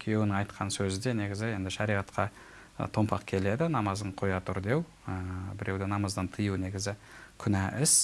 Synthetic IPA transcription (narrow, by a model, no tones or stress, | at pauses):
kʲʰijewnɪŋɑjt̪qʰɑnsɵzɪd̪e̞ne̞ɡʲɪzɪje̞nd̪ɪʃɑɾijʁɑt̪qɑ̰ | t̪ʰo̞mpɑ̰qkʲʰe̞le̞d̪ɪnɑmɑzəɴqʰo̞jɑt̪ʊɾd̪e̞w | əbɪɾe̞wd̪ɪnɑmɑzd̪ɑnt̪ʰəjuwne̞ɡʲɪzɪkʲʰʏnæʔɪs